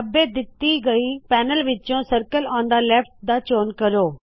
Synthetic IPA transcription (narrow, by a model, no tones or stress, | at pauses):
ɐbẽd̪ɪt̪iɡɐipɛːnəlʋɪt͡ʃõsɐɾkəlãːn̆d̪aleːfʈ̚d̪aːt͡ʃoːnkɐɾoː